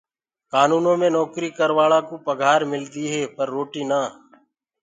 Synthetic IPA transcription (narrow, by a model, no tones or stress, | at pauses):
kaːnuːnõːmẽːnɔːkɾiːkəɾʋaːɭãːkoːpəɡʱaːɾmɪld̪iːɦeːpəɾːoːʈiːnaː